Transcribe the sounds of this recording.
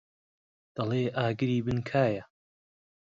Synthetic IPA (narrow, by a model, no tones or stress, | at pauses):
d̪̥ɐleːʔaːɡɨɾiːbɨnkʰaːjɐ